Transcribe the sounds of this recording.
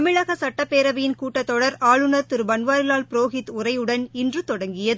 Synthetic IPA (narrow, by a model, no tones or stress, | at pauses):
ɐmɪɻɐɣɐsɐʈːɐpːeːɾɐʋɐjɪnkuːʈːɐt̪ːɔɽɐɾaːɭɯnɐɾt̪ɪɾɯʋɐnʋaːɾɪlaːlpɪɾoːɣɪt̪ʊrɐjɯɽɐnɪndrɯt̪ɔɽɐŋɡɪjɐðɯ